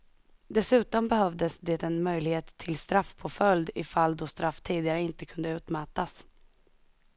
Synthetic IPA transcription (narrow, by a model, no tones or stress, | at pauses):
d̪ɛsʉ̟ːt̪ɔmbɛɦœvd̪əsd̪eːt̪ɛnmœjlɪɡheːt̪ʰːɪlst̪ɾafpʰɔfœld̪ɪfalːd̪ɔst̪ɾafːt̪ʰiːd̪ɪɡaɾəɪnt̪əkʰɵnd̪əʉ̟ːt̪maːt̪as